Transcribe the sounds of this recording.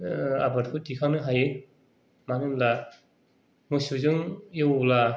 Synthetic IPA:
a̰baɾkʰɯtikʰanɯɦajɯ | manɯmla | mɯsuzɯŋjɯwla

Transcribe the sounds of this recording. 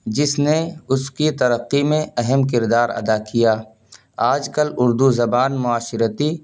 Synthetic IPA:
d͡ʒɪsneʊskit̪ɐɾəqːimẽʔɛɦɛmk̬ɪɾd̪aːɾɐ̰d̪akijaː | aːd͡ʒkɐlʊɾd̪uzɐbaːnmʊaːʃɪɾət̪i

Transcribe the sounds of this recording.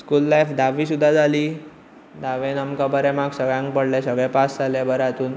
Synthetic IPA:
skuːlːajfd̪aʋiːs̬ud̪ʱːad͡zaliː | d̪aʋenamkabəɾɛ̃maɡsəɡɭjãŋk̚pəɽlɛsəɡɭɛ̃pasd͡zʱalɛbəɾat̪uːn

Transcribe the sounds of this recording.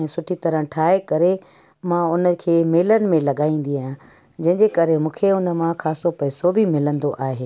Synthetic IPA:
ɛ̃ːsʊʈʰit̪ɐɾə̃ʈʰaːekɐɾe | mãʊnəkʰeːmeːlənɪ̆mẽlɐɠaːĩːn̆d̪iaːjã | d͡ʑɐ̃ɦɪ̃ɲd͡ʑekɐɾemũːkʰeʊnəmãxaːsopɐɦɪsobʱɪmɪlə̃nd̪oʔaːɦeː

